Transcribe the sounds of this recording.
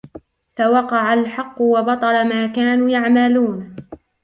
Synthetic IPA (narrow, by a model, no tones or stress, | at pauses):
fawɑqɑʕalħɑqːʊwɑbɑt̪ˤɑlamaːkaːnuːjaʕmaluːn